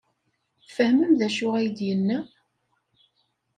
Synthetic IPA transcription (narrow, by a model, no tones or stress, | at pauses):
fəhməmðæʃʊʁæjəd̪jənːæ